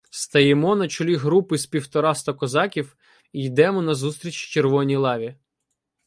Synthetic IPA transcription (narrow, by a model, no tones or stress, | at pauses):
st̪ɐjemɔnɐt͡ʃʊlʲiɦɾupɪspʲiwt̪ɔɾɑst̪ɐkɔzɑkʲiw | ijd̪ɛmɔnɐzust̪ɾʲit͡ʃt͡ʃerʋɔnʲijlˠɑʋʲi